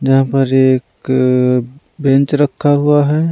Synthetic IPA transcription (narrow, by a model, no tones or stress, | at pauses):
d͡ʒɐɦãpəɾeːk | bẽnt͡ʃɾɐkʰːaɦuaɦɛ